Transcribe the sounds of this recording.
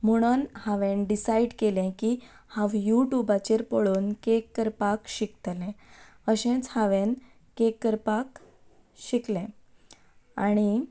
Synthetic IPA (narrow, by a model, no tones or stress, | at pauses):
m̤əɽ̃ənhaʋẽnɖisaiɖkelɛ̃ki | hãʋjuʈjubat͡ɕeɾpəɭuːnkekːəɾpakɕikt̪lɛ̃ | əɕɛ̃t͡shaʋẽn | kekːəɾpak | ɕiklɛ̃ | aɽ̃i